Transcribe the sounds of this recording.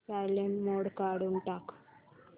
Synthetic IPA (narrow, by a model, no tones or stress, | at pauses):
sajlenmoɽkaɽuɳʈak